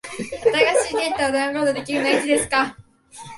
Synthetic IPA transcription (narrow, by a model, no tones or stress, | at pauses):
at̪aɡaɕiːne̞t̪ːaod̪ãŋɾo̞ːt̪od̪e̞kʲiɾɯ̟nait͡ɕid̪e̞sɨ̥ka